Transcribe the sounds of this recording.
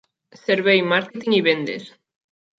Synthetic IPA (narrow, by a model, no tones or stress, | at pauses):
seɾβejmaɾket̪iŋiβend̪ḛs